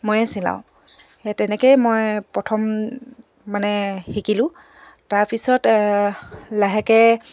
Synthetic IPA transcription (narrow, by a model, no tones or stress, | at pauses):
mojɛsila̰wʊ̃ | etɛnɛkejmojpɹɔtʰɔmː | anɛxikilʊ̃ | taɹpisɔt | laɦɛkɛ